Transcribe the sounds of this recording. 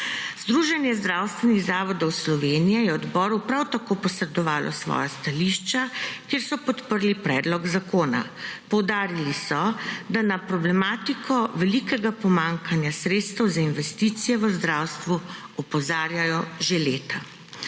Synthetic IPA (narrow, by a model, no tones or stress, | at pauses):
z̥d̪ɾuːʒɛnjɛzd̪ɾaːwst̪ʋɛniɣzaːʋɔd̪ɔwslɔʋeːnijɛjɛɔd̪bɔːɾupɾawt̪akoːpɔsɾɛd̪ɔʋaːlʔɔ̰sʋɔ̰jast̪aliʃt͡ʃakjeːɾsɔpɔt̪pəɾlipɾɛːd̪lɔɡzakoːna̰pɔwd̪aːɾilisɔd̪anapɾɔblɛmaːt̪ikʰɔʋɛlikɛɡapɔmaŋkʰanjasɾeːt̪st̪ɛwzainʋɛst̪iːt̪sijɛʋəzd̪ɾawst̪ʋuɔpɔzaːɾjajɔʒeleːt̪a